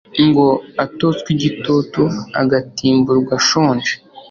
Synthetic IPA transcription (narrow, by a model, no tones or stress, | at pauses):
ŋɡo̞atot͡skwiɟitotua̰ɡatiːmbuɾɡwaʃoːnd͡ʒe